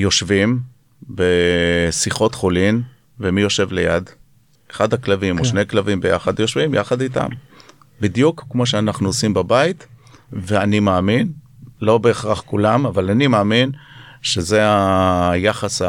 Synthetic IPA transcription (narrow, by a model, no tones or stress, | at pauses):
jo̞ʃvim | besiχo̞t̪χolin | vemijo̞ʃe̞vle̞̰jad̪ | eχad̪haklavimoʃnejklavimbeja̰χadjo̞ʃvimja̰χad̪it̪a̰m | bid̪jukːmoʃ̬eanaχnuosimbabait̪veanimaːminlo̞be̞ːχʁaχkulamavalanimaːminʃe̞zeajaχas